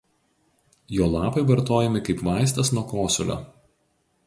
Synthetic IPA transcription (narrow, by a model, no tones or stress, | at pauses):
joːlˠɑːpɐɪʋɐɾt̪oːjɛmʲɪkɐɪpʋɑˑɪsʲt̪ʲɐsnuɔkoːsʲʊ̰lʲo̰ː